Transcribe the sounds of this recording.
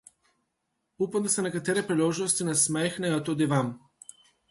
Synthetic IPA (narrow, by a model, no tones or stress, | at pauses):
upamd̪asɛnɛkat̪ɛɾɛpɾiloʒnɔst̪inasmɛxnɛjɔt̪ud̪ivam